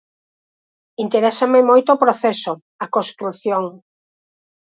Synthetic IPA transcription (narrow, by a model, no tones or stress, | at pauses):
int̪eɾɛsɐmɪmojt̪oːpɾoθɛso | ɐkõst̪ɾuθjoŋ